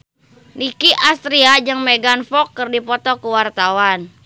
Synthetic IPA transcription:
nikiʔast̪ɾiad͡ʒɨŋmeɡanfɔkːərdipɔt̪ɔkuwart̪awan

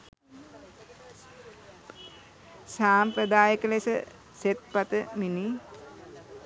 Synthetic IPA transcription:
saːmpɾəd̪aːjəkəlesə | set̪̚pat̪əmini

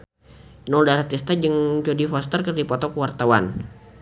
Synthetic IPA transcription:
nɔldaɾat̪ist̪ad͡ʒəŋd͡ʒodifɔst̪ərkərdipɔt̪ɔkəwart̪awa̰n

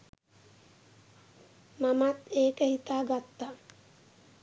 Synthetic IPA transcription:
mamat̪eːkəhit̪aːɡat̪ːa

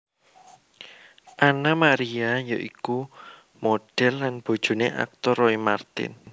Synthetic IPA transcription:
ʔanamaɾiajoʔiku | moɖ̥ɛlːanb̥o̤d̥ʒ̥ṳneʔa̰k̚t̪ɔɾoimart̪ɪ̰n

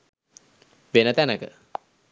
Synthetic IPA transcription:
ʋenət̪ænəkə̰

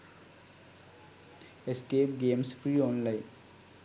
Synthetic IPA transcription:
eskeːpɡeːmsfɾiɔːnlaɪn

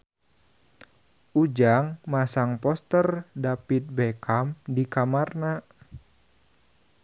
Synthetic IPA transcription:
ʔud͡ʒaŋmasaŋpɔst̪ərdapit̪̚bɛkʰamdikamarna

